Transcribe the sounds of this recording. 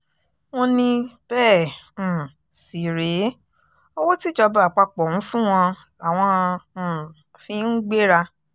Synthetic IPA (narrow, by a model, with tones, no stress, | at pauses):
w̃ɔ̃˧nĩ˧b̥ɛ̃ː˦˨ | si˨ɾe˨˦ | o˦wo˦ti˦d͡ʒɔ˧ba˨k͡pa˧k͡pɔ̃˨ũ˨˦fũ˦w̃ɔ̃˧ | a˨w̃ɔ̃˧˨ | fĩ˧˦n̩˦ɡ͡be˦ɾa˧